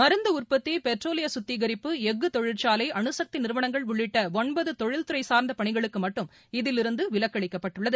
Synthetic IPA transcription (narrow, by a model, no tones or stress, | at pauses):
mɐɾɯnd̪ɐʊrpɐt̪ːipɛʈroːlɪjɐsʊt̪ːiɣɐɾɪpːɯɛɡːɯt̪ɔɻɪrt͡ʃaːlɐɪʔɐɳɯsɐk̚t̪inɪɾɯʋɐɳɐŋɡɐɭʊɭːɪʈːɐɔɳbɐðɯt̪ɔɻɪlt̪ɯɾɐɪsaːɾnd̪ɐpɐɳɪɣɐɭɯkːɯmɐʈːɯm | ɪðɪlɪɾɯnd̪ɯʋɪɭɐkːɐɭɪkːɐpːɐʈːɯɭːɐðɯ